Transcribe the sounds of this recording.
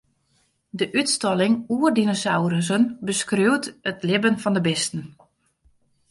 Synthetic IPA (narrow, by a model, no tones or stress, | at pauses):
dəʔytstɔlɪŋuərdinosawɾəs̬ənbəskrøːwtətlɪbənfɔndəbɪstn̩